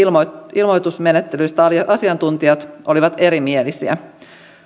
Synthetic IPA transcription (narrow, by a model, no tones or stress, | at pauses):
oilmojt̪usme̞net̪ːelyjst̪æɑsiɑnt̪unt̪iɑt̪ʔo̞liʋɑt̪e̞ɾimie̞lisiæ̰